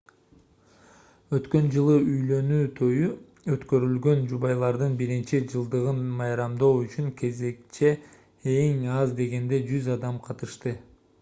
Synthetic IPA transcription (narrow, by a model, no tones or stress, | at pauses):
ø̞t̪kø̞nd͡ʒɯlˠɯʔyjlø̞nyːt̪ʰø̞jy | øt̪kø̞ɾylɡø̞nd͡ʒuβɑjlˠɑɾd̪ɯnbiɾint͡ʃid͡ʒɯlˠd̪ɯʁɯnmɑjɾɑmd̪o̞ːyt͡ʃyŋkʰe̞ze̞k̚t͡ʃʰe̞ | eŋɑzd̪e̞ɡe̞nd̪e̞d͡ʒyzɑd̪ɑmqʰɑt̪ɯʃt̪ɯ